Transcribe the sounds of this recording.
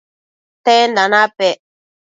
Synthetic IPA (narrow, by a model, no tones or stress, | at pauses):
tɛn̩danapɛʔ